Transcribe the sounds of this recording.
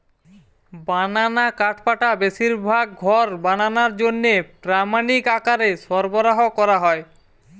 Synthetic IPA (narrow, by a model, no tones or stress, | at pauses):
bananakaʈʰpaʈabeʃiɾbʱaɡ̚ɡʱɔɾbananaɾd͡ʑonːepɾamanikakaɾeʃɔɾboɾaɦokɔɾaɦɔe